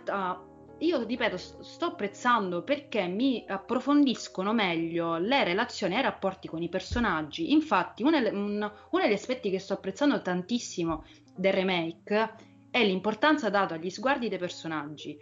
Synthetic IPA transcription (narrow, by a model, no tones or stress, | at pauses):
t̪a | iːoripɛːt̪ost̪ɔapːɾet̪sːand̪operkemːiapːɾofond̪iskonomɛʎːolerelat̪sːjoːniajrapːɔrt̪ikonipersonad͡ʒːiʔiɱfat̪ːiun | unod̪eʎːaspɛt̪ːikest̪ɔapːɾet̪sːand̪ot̪ant̪isːimo | d̪erːemɛjk | ɛlːimport̪ant̪sad̪aːt̪oaʎːizɡward̪id̪ejpersonad͡ʒːi